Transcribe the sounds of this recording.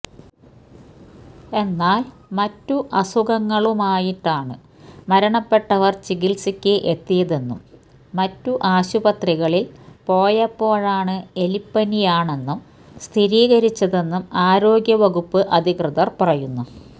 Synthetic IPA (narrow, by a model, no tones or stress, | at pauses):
e̞nːaːlmɐtːuʔɐsuɣɐŋːɐɭumaːjiʈːaːɳɨ | mɐɾɐɳɐpːe̞ʈːɐʋɐrt͡ɕiɣilsikʲːɨʔet̪ːijɐðe̞nːumː | ɐtːuʔaːɕubɐt̪riɣɐɭilpo̞ːjɐpːo̞ːɻaːɳɨe̞lipːɐnijaːɳe̞nːum | st̪ʰiɾiːɣɐɾit͡ɕːɐðe̞nːumaːɾo̞ːɡjɐʋɐɣupːɨʔɐd̪ʱikrɨðɐrpɐrɐjunːu